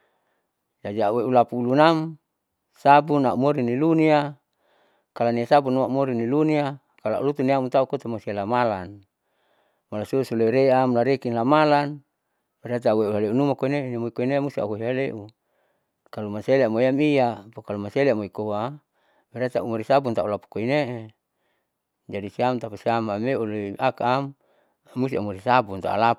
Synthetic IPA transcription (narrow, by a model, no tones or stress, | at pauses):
d͡ʒad͡ʒaaweʔulapuːlunam | sabunaumoɾinilunia | kalaniasabunuaumoɾinilunia | kala̰ʔṵlut̪uniamut̪aukot̪amosialamalan | malasusuleɾeamlaɾekinlamalan | beɾat̪̬aweuɦaleunumakoinenemoikoinemust̪ia̰ɦuɦiɦaleʔu | kalumaseleamoiamiapokalumaseleamoikoa | beɾat̪aumaɾisabunt̪aulapu̥koineʔe | d͡ʒadisiamt̪apasiamameuleʔakaamː | ust̪iaumuɾisabunt̪a̰ʔṵla